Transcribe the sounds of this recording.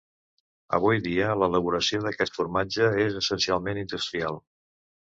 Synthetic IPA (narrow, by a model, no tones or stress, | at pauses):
ə̰β̞ujðiələləβ̞uɾəsioðəkɛt̪fuɾmad͡ʒəezəsənsialˠmenind̪ust̪ɾialˠ